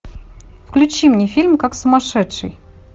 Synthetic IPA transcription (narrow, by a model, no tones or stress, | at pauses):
fklʲʉt͡ɕimnʲɪfʲilʲmkaksʊmɐʂɛtʂɨ̰j